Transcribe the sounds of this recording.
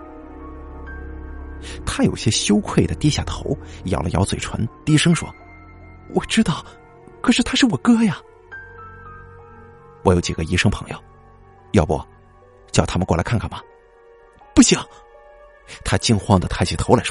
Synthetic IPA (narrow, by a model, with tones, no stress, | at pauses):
t̪ʰa˥jo̰˨˩ʊɕjɛ˥ɕjo˥ʊkʰwe˥˩ɪd̪ə˩t̪i˥ɕja˨˥˩t̪ʰo˧˥ʊjɑ̰˨˩ʊlə̰˦˧jɑ˧˥ʊt͡swe˨˩ɪʈ͡ʂʰwa̰˧˥nt̪i˥ʂɤ˥ŋʂwɔ̰˥ | wʔɔ˨˩ʈ͡ʂɻ̩˥t̪ɑ˥˩ʊ | kʰɤ˨˩ʂɻ̩˥˩t̪ʰa˥ʂɻ̩˥˩wɔ˨˩kɤ˥ja˨ | wɔ˧˩jo˧˥ʊt͡ɕi˨˩ɡə˦i˧˥ʂɤ˥ŋpʰɤ˧˥ŋjo̰˧ʊ | jɑ˥˧ʊpwɔ̰˥˩ | t͡ɕjʊt̪ʰa˥mə˨nkwɔ˥˩la˧˥ɪkʰkʰa˥˩nmɐ˩ | pu˥˩ɕi˨˩˦ŋ | t̪ʰa˥t͡ɕi˥ŋxwɑ˥ŋd̪ə˨t̪ʰa˥ɪt͡ɕʰi˨˩t̪ʰo˧˥la˧˥ɪ